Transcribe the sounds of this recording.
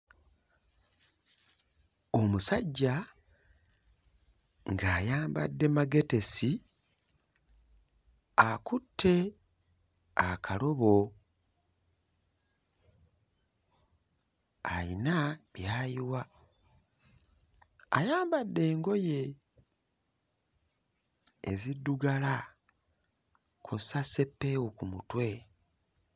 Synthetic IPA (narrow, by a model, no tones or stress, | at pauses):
o̞musaɟːa | ŋɡaːjaːmba̰dːe̞maɡe̞te̞si | akutʰːe̞ | akʰalo̞βo̞ | a̰inaβjaːjiwa | jaːmbadːe̞ːŋɡo̞je̞ | zidːuɡala | kʰosase̞pːeokumutwe̞